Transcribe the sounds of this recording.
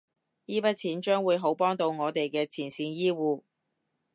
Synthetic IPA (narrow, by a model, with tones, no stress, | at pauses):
jiː˥pɐ˥t̚t͡sʰiː˨˥nt͡ʃœː˥ŋwuː˨˧jɦo˨˥wpɔː˥ŋt̪o˧wŋɔː˨˧t̪e˨jkɛː˧t͡sʰiː˨˩nsiː˧ŋjiː˥wuː˨˧